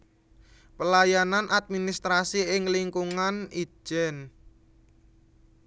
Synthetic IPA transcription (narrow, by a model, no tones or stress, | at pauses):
pəlajananʔad̪̚minist̪ɾasiɪŋliŋkuŋani̥ʒ̥ɛn